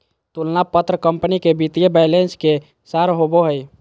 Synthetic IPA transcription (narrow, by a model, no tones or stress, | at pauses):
t̪ulnapət̪ɾəkəmpənikebit̪ijəbajlenske | saɾɦoboɦəj